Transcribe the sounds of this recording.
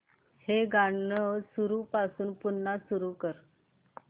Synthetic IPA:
heɡaɳnəsuɾupasuːnpunːasuɾukəɾ

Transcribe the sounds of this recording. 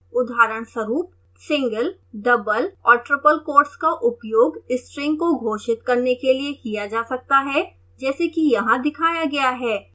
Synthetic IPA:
ʊd̪ʱaːɾəɽ̃swɐɾuːp̚ | sɪ̃ŋɡəl | ɖɐbəlɔːɾʈɾɪpəlkoːɾskaʔʊpjoːɡɪsʈɾɪ̃ŋɡkoɡʱoːʃɪt̪kɐɾnekeliekijad͡ʒaːsɐk̚t̪aɦɛ | d͡ʒɛːsekijɐɦãd̪ɪkʰaːjaɡɐjaɦɛː

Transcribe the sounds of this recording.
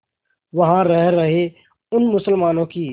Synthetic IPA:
ʋɐɦãɾəɦɾɐɦe | ʊnmʊsəlmaːnõkiː

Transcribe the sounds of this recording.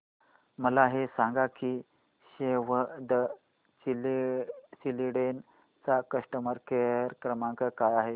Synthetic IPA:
məlaɦesaŋɡakiː | ɕeʋəd̪ə | i | siliɽen | t͡sakəʂʈəməɾkeɾkɾəmãŋkəkajaɦe

